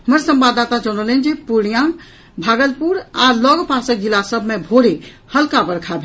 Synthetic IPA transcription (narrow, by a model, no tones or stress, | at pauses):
ɦəməɾsə̃mbaːd̪at̪ad͡ʒonəlend͡ʒepuɽijã | bʱaːɡəlpuɾaːlɔɡpasək̚d͡ʒilasəbʱmẽbʱoɽe | həlkabəɾkʰabʱe